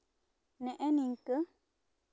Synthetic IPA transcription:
nɛ̃ʔɛnĩŋkə

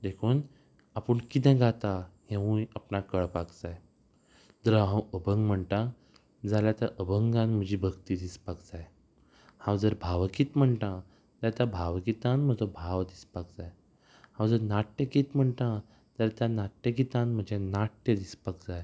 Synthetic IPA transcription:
d̪ekʰuːn | apəɳkit̪ʰɛ̃ɡat̪ahẽũjapnakəɭpakd͡zaj | d̪əɾɦə̃wəbʱəŋɡm̤əɳʈã | d͡zaljat̪aʔəbʱəŋɡãnm̤əd͡ʑiːbʱəɡt̪iːd̪ispakd͡zaj | hãwd͡zəɾbʱaʋəkiːt̪m̤əɳʈã | t̪at̪abʱaʋɡit̪anm̤əd͡zobʱaʋd̪ispak̚d͡zaj | hãwd͡zəɾnaʈːəkit̪m̤əɳʈã | t̪əɾt̪janaʈːə̃ɡit̪ãnm̤əd͡ʑẽnaʈːəd̪ispakd͡zaj

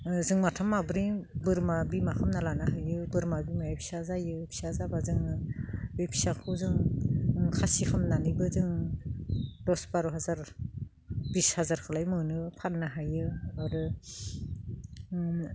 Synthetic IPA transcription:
zɯŋmatʰamːabɯɾibɯɾmabimakʰamnalanaɦajɯbɯɾmabimajapʰi̥sazajɯpʰi̥sazabazɯŋɯbepʰisakʰɯzɯŋ | kʰasikʰamnanibɯzɯŋ | dɔsbaɾuɦazaɾ | bishazaɾkʰalajmɯnɯpʰanːaɦajɯaɾɯ

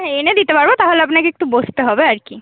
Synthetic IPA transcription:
ened̪it̪epaɾbot̪aɦoleapnakeek̚ʈubost̪eɦɔbeaɾki

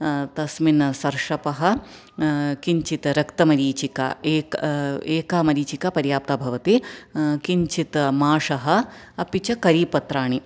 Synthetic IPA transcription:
t̪ɐsminɐsɐɾʂɐpɐɦɐ̆ | kiɲt͡ʃit̪ɾɐkt̪ɐmɐɾiːt͡ʃika̰ːeːkeːkaːmɐɾiːt͡ʃikapɐɾjaːp̚t̪aːbʱɐʋɐt̪ikiɲt͡ʃit̪ɐmaːʂɐɦɐ̆ | ɐpit͡ʃɐkɐɾiːpɐt̪ɾaːɳi

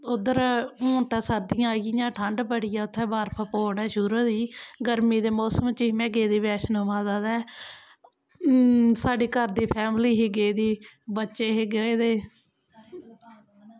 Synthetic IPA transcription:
ʊd̪əɾõːt̪ãːsəɾd̪ɪjãːɡɪjãːʈʰəɳɖbəɽɪjãːʊt̪ʰːɛ̃ːbaːɾpʰəpoːɳɛːʃʊɾoːd̪iːɡəɾmiːd̪eːmoːsəmt͡ʃiːmɛ̃ːɡeːd̪iːbɛːʃnɦʊʋãːzaːd̪ɛː | saːɖiːkəɾd̪iːpʰɛːmliːɦiːɡeːd̪iː | bətːʃeːɦeːɡəeːd̪eː

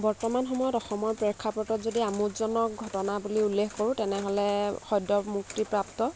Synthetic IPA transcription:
bɔɹtɔmanxɔmɔjɔtɔxɔmɔɹpɹɛkʰːapɔtɔtzodiamutzɔnɔk̚ɡʱɔtɔnabuliulːexkoɹũtɛnɛɦɔlɛxɔjdɔmuk̚tipɹaptɔ

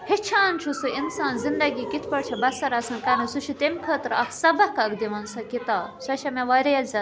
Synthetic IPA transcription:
hit͡ʃʰaːnt͡ʃʰusuʔinsaːnzind̪ɐɡiːkit̪ʰpɐɽt͡ʃʰɐbɐsɐɾɐsãːnkɐnɐsuʃʰut̪emʲkʰəːt̪ɾɐkʰsɐbɐkɐɡd̪iʋɐnsɐkit̪aːbsɐʃɐmẽʋaːɾeɐlzʲɐ

